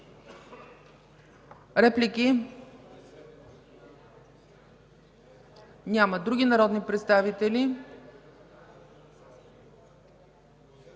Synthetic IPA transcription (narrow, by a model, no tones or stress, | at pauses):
ɾɛpliki | nʲaməd̪ɾuɡʲinɐɾɔd̪nipɾɛt̪st̪avit̪ɛli